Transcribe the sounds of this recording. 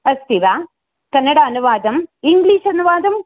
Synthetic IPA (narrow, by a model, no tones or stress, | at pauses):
ɐst̪iʋa | kɐnːɐɽaːɐnuʋaːd̪ɐmiŋɡliːʂɐnuʋaːd̪ɐm